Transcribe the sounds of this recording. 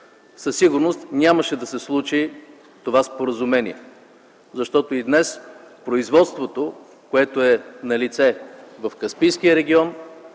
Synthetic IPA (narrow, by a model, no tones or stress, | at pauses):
səsːiɡʊɾnost̪nʲaməʃɛd̪ɐsɛslˠut͡ʃi | t̪ovaspoɾəzumɛnḭɛ | zɐʃt̪ɔt̪oid̪nɛs | pɾoizvɔt̪st̪vot̪o | koɛt̪oɛnɐlit̪sɛvɐfkɐspijskijəɾɛɡ̟ʲiɔn